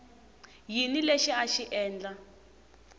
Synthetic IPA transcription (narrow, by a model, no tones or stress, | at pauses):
jinileʃiaʃiʔɛːnd͡ɮa